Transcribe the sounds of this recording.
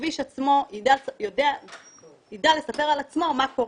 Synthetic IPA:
viʃat͡smo̞idasjod̪ea | id̪eale̞sape̞ʁalat͡smo̞mako̞

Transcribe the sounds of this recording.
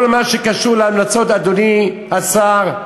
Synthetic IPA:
lmaʃekaʃuʁleamnat͡so̞t̪ad̪oni | asaʁ

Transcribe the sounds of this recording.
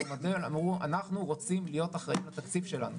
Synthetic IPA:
modelamʁua̰naχnuʁo̞t͡simlijo̞t̪aχʁaimlat̪akt͡sifʃe̞la̰nu

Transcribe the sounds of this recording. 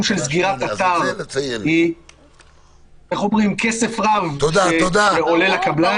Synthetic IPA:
mʃe̞lzɡiʁat̪at̪aʁhi | eχomʁimkese̞fʁavoʃaeod̪aeole̞lakabla

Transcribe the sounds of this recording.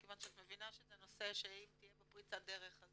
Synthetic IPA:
kevanʃeat̪mevinaʃezeno̞se̞ʃeimt̪ijebepʁit͡sad̪eʁeχaz

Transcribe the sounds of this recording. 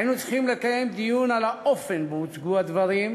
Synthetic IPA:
inut͡si̥χimlekaje̞md̪ijunalaʔofenbeut͡sɡuad̪vaʁim

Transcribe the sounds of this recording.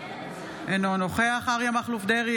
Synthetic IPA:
enonoχeaχaʁjamaχlufd̪eʁi

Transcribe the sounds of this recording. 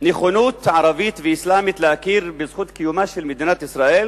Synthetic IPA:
neχonut̪ʕaɾavit̪veislamit̪lehakiɾbezχut̪kijumaʃelmed̪inat̪isɾaʔel

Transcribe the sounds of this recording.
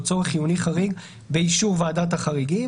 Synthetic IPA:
t͡so̞ʁeχijuniχaʁiɡ | beiʃuʁvaːdat̬aχaʁiɡi

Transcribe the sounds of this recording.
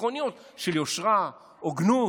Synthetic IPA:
onijot̪ | ʃeljoʃʁa | oɡnu

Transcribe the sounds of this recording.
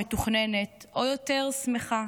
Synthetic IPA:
et̪uχnenet̪ojoteʁsmeχa

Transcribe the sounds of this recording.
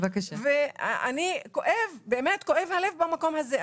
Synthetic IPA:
vakaʃvea̰niko̞ʔevbeːmetko̞ʔe̞vlale̞vbamako̞mhaze

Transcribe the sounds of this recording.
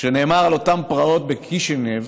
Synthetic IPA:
ʃene̞ːmaʁalo̞t̪ampʁao̞t̪̚bekʰiʃenev

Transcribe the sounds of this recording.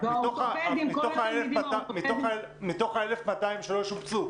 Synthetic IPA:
mitoχamit̪oχaelefmatamit̪oχae | mit̪o̞χaelefmat̪aimʃeloʃumt͡su

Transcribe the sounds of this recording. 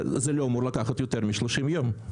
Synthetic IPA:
zeloamoɾlakaχat̪jot̪eʁmiʃloʃimjom

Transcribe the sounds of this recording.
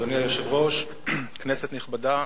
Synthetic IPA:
onijajoʃevʁo̞ʃ | kneset̪niχbad̪a

